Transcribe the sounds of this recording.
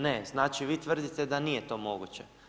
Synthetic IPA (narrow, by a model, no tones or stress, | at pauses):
neznaːt͡ʃiʋiːt̪ʋr̩d̪it̪ed̪anijet̪o̞ːmo̞ɡut͡ɕe